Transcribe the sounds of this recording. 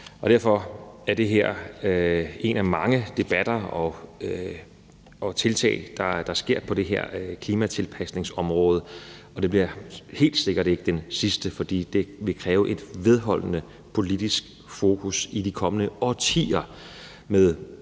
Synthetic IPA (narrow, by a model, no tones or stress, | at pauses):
ɒ̽d̥æɐ̰fɒ̽æɐd̥e̝ɦeɐ̰ | e̝næmɑ̈ŋəd̥e̝b̥æd̥ɐɒ̽ | ʔɒt͡sʰe̝lt͡sʰɛ̰ːɪd̥ɑ̈d̥ɑ̈sɡ̥e̝ɐ̰pʰɒ̽ɾ̥e̝ɦeɐ̰kʰliːmæt͡sʰe̝lpʰæsne̝ŋsɒ̽mʁɔːð̞ˠə | ɒ̽d̥e̝b̥liɐhe̝̰ːld̥se̝ɡ̥ɐɾe̝ɡ̥əd̥ensisd̥əfɒ̽d̥ḭːd̥e̝ʋe̝kʰʁɛːʊəʔe̝d̥ʋe̝ð̞ˠɦɒ̽l̰nə | pʰo̝lid̥isɡ̥ | fo̝ːkʰusid̥ikʰɒ̽mənəɒt͡sʰḭːɐ | með̞ˠ